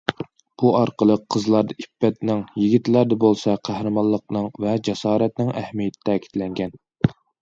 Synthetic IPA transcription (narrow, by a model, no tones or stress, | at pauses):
b̥uɑɾqəlˠəqʰːəzlˠɑɾd̪ɑipːɛt̪̚nɪŋjiɡʲit̪læɾd̪ɛbolˠsɑqʰæhɾɨmɑnlˠːəqnɨŋvɛd͡ʒɛsɑːɾɛt̪nɪŋæhmijɛt̪ʰɪ̥t̪ʰɛːkʲi̥t̪lɛŋɡʲɛn